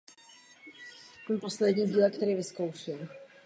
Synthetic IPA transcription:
mɛmposlɛdɲiːmɟiːlɛkt̪ɛɾiːvɪskowʃɪl

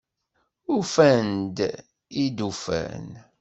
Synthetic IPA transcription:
ufænd̪ | id̪ufæ̰n

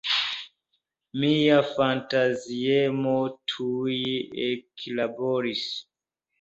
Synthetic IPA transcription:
mijafantaziɛmotʰuiekʰilabɔɾis

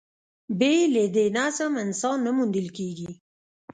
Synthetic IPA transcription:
beled̪enasəmɪnsɑnːamund̪əlkeɡi

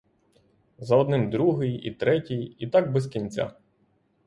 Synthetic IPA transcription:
zɐɔd̪nɪmd̪ɾuɦɪjḭt̪ɾɛtʲijit̪ɑɡ̚bɛskʲinʲt͡sʲa̰

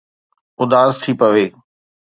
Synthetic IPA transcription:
ʊd̪aːzt̪ʰipɐʋeː

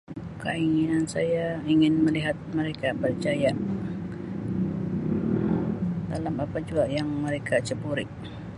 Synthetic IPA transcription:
kəiŋinansa̰jaiŋɪnməliɦat̪̚məɾekabərt͡ʃaja | da̰lamapad͡ʒuaʔjaŋməɾekʰat͡ʃəbuɾɪ̰ʔ

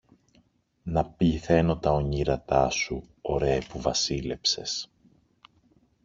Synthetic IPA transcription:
nɐpiθe̞no̞t̪ɐo̞ɲiɾɐt̪ɐsu | o̞ɾe̞puvɐsile̞pse̞s

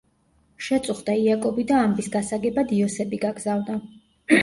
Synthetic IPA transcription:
ʃɛt̪sʼuχd̪aiakʼɔbid̪aːmbisɡasaɡɛbad̪iɔsɛbiɡaɡzavna

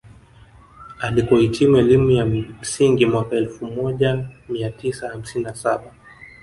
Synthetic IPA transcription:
alikɔhitʰimuɛlimujam̩siŋɡimwakaɛlfumɔʄamiatisaham̩sininasaɓa

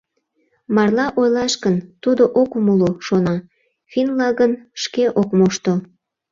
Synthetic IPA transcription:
mɑrlɑʔojlɑʃkənt̪ud̪oʔokumuloʃonɑ | finlɑɣənʃkeʔokmoʃt̪o

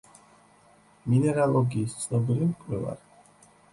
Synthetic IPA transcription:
minɛɾalˠɔɡiːst̪sʰnɔbiɾimkʼwɛva̰ɾ

